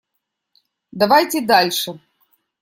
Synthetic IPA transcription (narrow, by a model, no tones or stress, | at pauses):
d̪ɐvajtʲed̪alʲʂɨ